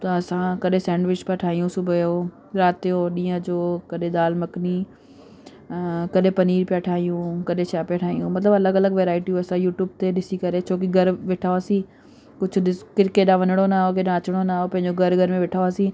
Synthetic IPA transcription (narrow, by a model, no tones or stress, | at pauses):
t̪ɐɐsãkɐɗẽsɛ̃ːɳɖʋɪt͡ʃpaʈʰaːɦijũsʊbʱəjoː | ɾaːt̪joːɗĩːə̃d͡ʑoːkɐɗẽd̪aːlmɐkni | kɐɗẽpɐniːɾpɪjaʈʰaːijũkɐɗẽʃaːpjaʈʰaːijũmɐt̪ləbɐləɡɐləɡʋeːɾaːɪʈiũɐsãjuːʈjuːb̚t̪eɗɪsikɐɾet͡ʃʰoːk̬iɡʱɐɾʋɪʈʰaːoaːsĩː | kʊd͡ʑʰʊɗɪkɪɾkeɗãʋɐnəɽ̃onaːɦokeɗãɐt͡ɕɽ̃onaːopɐ̃ɦɪ̃ɲd͡ʑoɡʱɐɾɡʱɐɾmẽʋɪʈʰaːoaːsĩː